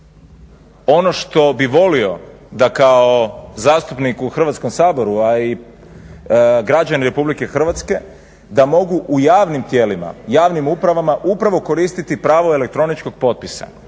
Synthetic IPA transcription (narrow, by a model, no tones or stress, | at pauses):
o̞no̞ʃt̪o̞biʋo̞lio̞ | d̪akaozaːst̪upnikuxr̩ʋat̪sko̞msaːbo̞ɾuai | ɡɾad͡ʑaniɾe̞publike̞xr̩ʋat̪ske̞ | d̪amo̞ɡuʔujaːʋnimt̪jeːlima̰jaːʋnimupɾaʋamaʔupɾaʋo̞ko̞ɾiːst̪it̪ipɾaːʋo̞e̞lek̚t̪ɾo̞nit͡ʃko̞ɡ̚po̞t̪̚pisa̰